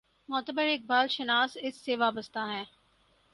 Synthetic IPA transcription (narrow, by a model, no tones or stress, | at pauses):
mɔːt̪əbəɾeːk̚baːlʃənaːsɪsːeʋaːbəst̪aɦɛ̃ː